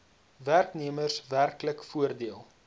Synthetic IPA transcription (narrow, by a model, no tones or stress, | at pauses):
værkniəmərsværkləkfuərdiəlˠ